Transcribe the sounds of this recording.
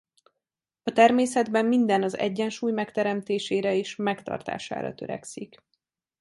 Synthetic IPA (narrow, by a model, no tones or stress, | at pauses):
ɒt̪ɛrmeːsɛd̪bɛmːind̪ɛnɒzɛ̰ɟːɛnʃuːjmɛkt̪ɛɾɛmt̪eːʃeːɾɛeːʃmɛkt̪ɒ̰rt̪a̰ːʃa̰ːɾɒ̰t̪ø̞ɾɛ̰ksik